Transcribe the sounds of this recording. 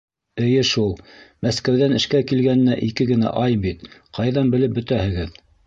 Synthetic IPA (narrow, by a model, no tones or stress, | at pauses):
ɘ̆jɘʃulˠmæskæwðænɘ̆ʃkækilɡænɘ̆næʔikɘɡɘ̆næ̰ʔɑjbit̪qʰɑjðɑnbɘ̆lɘp̚bɵ̆t̪æhɘ̆ɡɘð